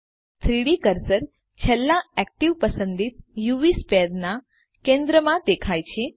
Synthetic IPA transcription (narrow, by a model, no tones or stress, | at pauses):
t̪ʰɾiɽikəɾsəɾ | t͡ʃʰɛlːãɛk̚ʈiʋpəsə̃nd̪it̪̚juʋisped̪na | kẽnd̪ɾəmãd̪ekʰajt͡ʃʰe